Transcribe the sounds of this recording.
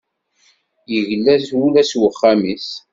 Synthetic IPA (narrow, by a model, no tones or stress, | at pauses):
jəʝəlːæθulæswəχːamis